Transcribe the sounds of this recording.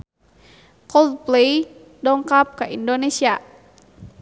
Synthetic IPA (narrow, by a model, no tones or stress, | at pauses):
kɔlplej | dɔŋkap̚kaʔindonesia